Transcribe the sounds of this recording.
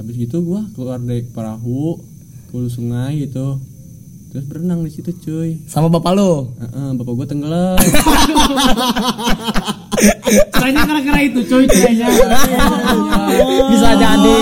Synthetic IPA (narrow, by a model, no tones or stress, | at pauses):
abɪs̬ɡit̪uɡuakəlardɛpəɾa̰ɦuʔ | kəlusuŋaiit̪u | t̪ɾʊsbəɾənaŋdisit̪ut͡ʃoisamabapaloəʔəbapaɡuat̪əŋɡələ | saɲakəɾakəɾait̪ut͡ʃoitud͡ʒad͡ʒa | bis̬aad͡ʒaːdɛ